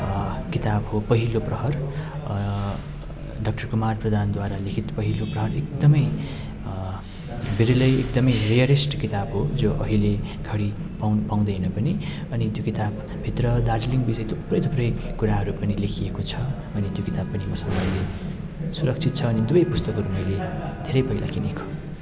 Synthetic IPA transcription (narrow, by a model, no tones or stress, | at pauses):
kit̪abɦopʌɦiloprʌɦʌr | ɖʌk̚ʈʌrkumarprʌd̪ʱand̪waɾalekʰit̪pʌɦiloprʌɦʌrek̚d̪ʌmʌj | biɾilʌjekd̪ʌmʌjrijʌɾesʈkit̪abɦod͡zoʔʌ̰ɦileɡʱʌɽipanpãw̃d̪ʌjnʌpʌni | ʌnit̪jokit̪ab | bʱit̪rʌd̪ard͡zliŋbisʌjt̪ʰoprʌjt̪ʰoprʌjkuɾaɦʌɾupʌnilekʰiekot͡sʰʌ | ʌnit̪jokit̪abpːʌnimʌsʌmajle | suɾʌkt͡sʰit̪̚t͡sʰʌːnid̪ubʌjpust̪ʌkɦʌɾumʌjled̪ʱeɾʌjpʌɦila̰kinekʰo̥